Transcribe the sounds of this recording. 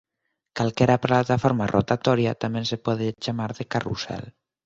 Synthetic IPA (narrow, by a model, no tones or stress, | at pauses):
kalkɛɾaplat̪afoɾmarʔo̰t̪at̪ɔɾjat̪amɛ̃nsepɔðet͡ʃamaɾðekarusɛ̰l